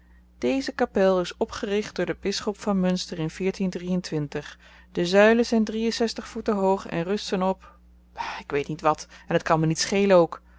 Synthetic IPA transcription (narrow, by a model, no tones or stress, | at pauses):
d̥ejzəkapɛlˠɪsɔpχərɪχd̚d̥ʊːɹdəbɪsχɔpfɑnmɵnstərɪnv̥ɪːɹtindrijəntʋɪntəχ | d̥əzœɥləzɛjndrijənsɛstəχfutəɦowχɛ̰nrɵstənɔp | aɪkʋejtnitʋɑtɛnɦətkɑnmənitsχejlənowk